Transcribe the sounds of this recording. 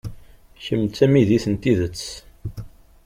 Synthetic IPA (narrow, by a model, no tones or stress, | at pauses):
çəmt͡sːæmiðiθənt̪iðət͡sː